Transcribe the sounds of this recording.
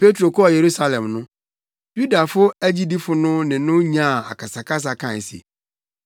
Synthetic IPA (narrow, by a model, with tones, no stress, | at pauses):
pʰe˦tʰɾo˨kʰɔ˦a˨je˨ɾu˦sa˦lɛ̃˨mnʊ̃˦ | ju˦da˨fʊ˦æ˦d͡ʑi˦di˦fʊ˨nʊ̃˦nɪ̃˨nʊ̃˦ɲã˦˨a̰˨kʰa˨sa˨kʰa˦s̬a˨kʰã˦˨n˨si˨ḛ˨